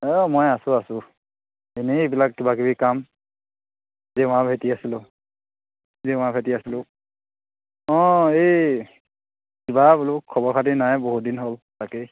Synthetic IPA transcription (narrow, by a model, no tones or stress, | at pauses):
ɔmojasʊasʊ | eneːbilakːibakibikam | zɛʊ̃abʱetiasilʊ | zɛʊ̃abʱetiasilʊ̃ | ɔ̃ej | kibabulʊkʰːɔbɔɹkʰatinajboɦut̚dinɦoltake